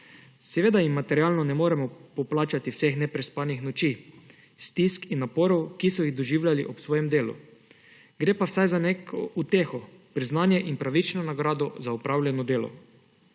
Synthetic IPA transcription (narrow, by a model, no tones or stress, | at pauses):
sɛʋeːd̪aimːat̪ɛɾiaːlnɔnɛmoːɾɛmɔpɔplaːt͡ʃat̪iwsexnɛpɾɛspaːnixnɔt͡ʃiː | st̪iskinːapoːɾɔwkisɔjiɣd̪ɔʒiːwlʲjaliʔɔpsʋoːjɛmd̪eːlṵ | ɡɾeːpawsajzanekʰoʔut̪eːxɔ | pɾiznaːnjɛʔinpɾaʋit͡ʃnɔnaɡɾaːd̪ɔzaupɾawlʲjɛnɔd̪eːlɔ̰